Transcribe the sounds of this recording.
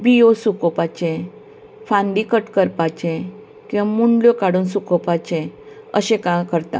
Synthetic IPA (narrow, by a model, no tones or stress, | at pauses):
biosukopat͡ɕẽ | fãɳɖikəʈkəɾpat͡ɕẽ | kĩwʋamuɳɖljɔkaɽuːnsukopat͡ɕẽ | əɕẽkãkəɾt̪a̰